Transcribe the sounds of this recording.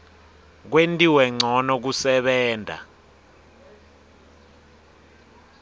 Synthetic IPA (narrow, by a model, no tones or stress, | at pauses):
k̬wentʼiwɛŋ͡ǀʱɔnɔk̬usɛɓɛːndʱa̰